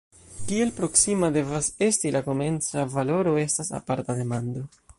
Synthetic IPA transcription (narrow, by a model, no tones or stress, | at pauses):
kie̞lpɾo̞ksimade̞vase̞stilako̞me̞nt͡savalo̞ɾo̞e̞stasa̰paɾtade̞mando̞